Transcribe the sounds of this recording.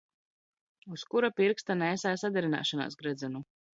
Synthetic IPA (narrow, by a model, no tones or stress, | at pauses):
uskuɾapiɾkst̪anɛːsaːsad̪ʲɛɾina̰ːʃana̰ːsɡɾɛd̪zɛnu